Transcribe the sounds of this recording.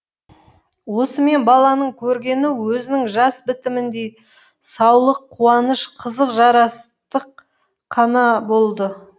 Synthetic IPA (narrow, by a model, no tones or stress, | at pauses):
wo̞səme̞nbɑlˠɑnəɴkʲʰɵɾɡʲe̞nɪwɵzɪnɪŋʒɑsbɪt̪ɪmɪnd̪ej | sɑwlˠəqʰːuɑnəʃqʰəzəqʒɑɾɑst̪əqʰː | ɑnɑbo̞lˠd̪ə